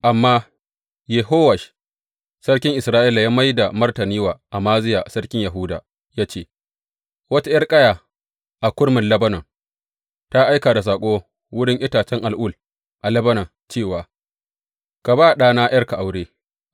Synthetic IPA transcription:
ʔa˨mːaː˦ | je˨ɦoː˦wɐ˨ʃ | sɐ˦rkʲɪ˦ŋʔɪ˨sɾaː˦ʔiː˦la˨jaː˦ma˦jda˨mɐ˦rtɐ˨niː˦waː˨ʔa˨maː˦zɪ˦jaː˨sɐ˦ɽkʲɪ˦ɲja˨ɦuː˦da̰ː˨ | jaː˦t͡ʃeː˦˨ | wɐ˦ta˦jɐ˦rkʼɐ˦jaː˨ | ʔa˨kʷʊ˦ɽmɪ˨nlɐ˦bɐ˦nɐ˨ŋ | ta˦ʔa˦jkaː˨da˨s̬aː˨kʷʼoː˦ | wʊ˦ɽɪ˦ŋʔɪ˦taː˨t͡ʃɛ˦ŋʔa˨lʔuː˦˨l | ʔa˨lɐ˦bɐ˦nɐ˨ŋ | t͡ʃeː˦˨waː˨ | ka˨baː˦˨ɗaː˦naː˦jɐ˦rka˨ʔa˨wɽeː˦

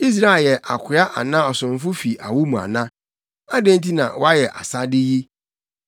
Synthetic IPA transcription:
i˦s̬ɾa˦˨jɛ˨ʔa̰˨kʰɪ˨˦a˦ʔa̰˨nã˦ɔ˨sʊ̃˨m˨˦fʊ˦fi˨ʔa̰˨wu˦mũ˨a̰˨nã˦ | a˦dẽ˦n˦t̬i˦nã̰˨wɔ˦a˦jɛ˨ʔa̰˨sa˦dɪ˦ji˦

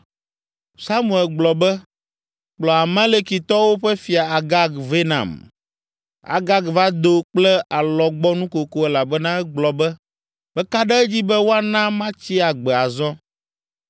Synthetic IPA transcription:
sa˦mũ˨ɛ˨lɡ͡blɔ˨bɛ˦ | k͡plɔ˨a˨mẽ˦le˦ki˨t̪ɔ˦wo˦ɸɛ˦fi˨a˨a˨ɡa˦ɡve˦nã̰˨m | a̰˨ɡa˦ɡva˦d̪o˨˦k͡plɛ˦a˨lɔ˨ɡ͡bɔ˦nũ˦ko˨ko˦ɛ˦la˨bɛ˦nã˦ɛ˦ɡ͡blɔ˨bɛ˦ | b̥ɛ˦ka˦ɖɛ˦ɛ˦d͡ʑi˦bɛ˦wo˦a˦nã˦mã˦t͡ɕi˦a˨ɡ͡bɛ˨a˨zɔ˦

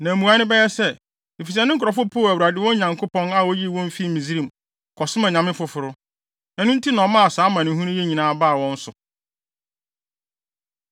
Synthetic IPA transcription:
nã˨mũ˨a˨˦nɪ̃˦bɛ˦jɛ˦sɛ˦˨ | i˨fi˨s̬a˨nɪ̃˦ŋ̩˦kʰʊ˨ɾɔ˨fʊ˦pʰoː˦˨æ˨wu˨ɾa˨dɪ˦wɔ̃˦ɲã˨ŋkʰʊ˦pʰɔ̃˦na˦wɔ˦ji˦˨wɔ̃˦m˦fi˦˨mĩ˨zi˦ɾĩ˨m˨ | kʰɔ˨sɪ˦mã˨ɲã˨mɪ̃˦fʊ˨fʊ˨ɾʊ˦ | ɛ˦nʊ̃˦n̩˦tʰi˦nã˨˦mã˦a˨saː˨˦mã˨nɪ̃˨˦ɦũ˦nʊ̃˦jɛ˦ɲĩ˨nãː˨˦ba˦˨wɔ̃˦n̩˦sʊ˨

